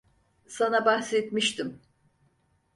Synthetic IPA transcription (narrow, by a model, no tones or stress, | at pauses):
sanabahset̪miʃt̪im